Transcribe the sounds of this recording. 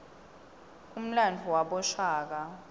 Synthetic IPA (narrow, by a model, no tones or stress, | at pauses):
um̩landʱuwaɓɔʃaːk̬a